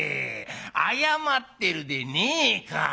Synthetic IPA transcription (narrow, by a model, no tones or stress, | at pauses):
e | a̰jamat̪ːeɾud̪enika̰